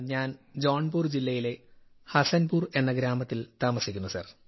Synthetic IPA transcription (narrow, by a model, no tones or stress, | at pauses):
ɲaːnd͡ʑoːɳbuːrd͡ʑilːɐjile̞ | hɐsɐnbuːre̞nːɐɡɾaːmɐt̪ːilt̪aːmɐsikʲːunːusɐ̰r